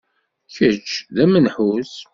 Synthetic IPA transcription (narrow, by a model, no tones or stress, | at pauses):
çət͡ʃːðæmənħus